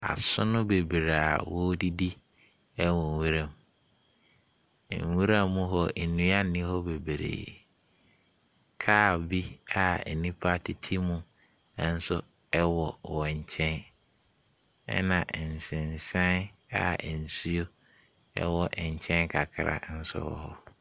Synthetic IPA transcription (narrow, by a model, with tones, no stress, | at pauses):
a̰˨sʊ˦nʊ̃˦be˨bɾa˨wɔ˦di˦di˦ | ɛ˦wɔ̃˨wu˦ɾã˦m˨ | ŋ̩˨wu˦ɾã˦mːʊ̃˦ɦɔ˨nũ˦a˦nɪ̃˦hɔ˦be˨bɾḛː˨ | kʰaː˦˨bi˦a˨nĩ˦pʰa˦tʰɪ˨tʰi˦mũ˦ | n̩˦sʊ˦ | ɛ˦wɔ˨wɔ̃˨ɲ̩˨t͡ɕʰɛ̃˦n | ɛ̰˦nã˨ʔn̩˨sɪ̃˨n˨sã˦n˦a˨n̩˨su˦o˦ | ɛ̰˦wɔ˨ʔɲ̩˨t͡ɕʰɛ̃˦nkʰa˨kʰɪ˨ɾa̰˨n̩˦sʊ̰˦wɔ̰˨hɔ˦